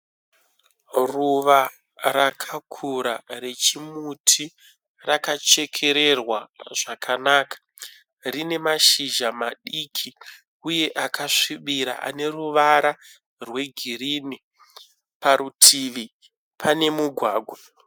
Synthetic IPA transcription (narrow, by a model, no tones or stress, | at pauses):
ruʋa | ɾakʰakʰuɾare̞t͡ʃimutʰi | rakat͡ʃe̞kʰe̞ɾe̞rwaʐ̥akʰanaːkḁ | rine̞maʃiʒamaɗikʰi | uje̞ʔakʰaʂiɓiɾa̰ʔa̰ne̞ruʋaɾa | rwe̞ɡʱiɾiːni | paɾutʰiːʋi | pʰane̞muɡʱwaːɡʱwa